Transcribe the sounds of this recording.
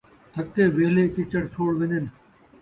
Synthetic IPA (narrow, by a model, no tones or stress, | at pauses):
t̪ʰəkːeːʋeːleːkɪt͡ʃəɽt͡ʃʰoːɽʋɪɲən